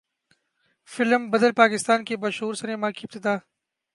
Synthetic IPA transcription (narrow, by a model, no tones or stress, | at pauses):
fɪlmbɐd̪əlpaːkɪst̪aːnkebɐʃɦuːɾsɐnemãːkiɪb̚t̪ɪd̪aː